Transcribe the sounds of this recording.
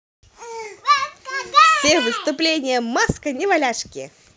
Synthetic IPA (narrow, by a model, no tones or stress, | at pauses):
sʲevɨst̪ʊplʲenʲɪjəmaskɐnʲɪvalʲaʂkʲɪ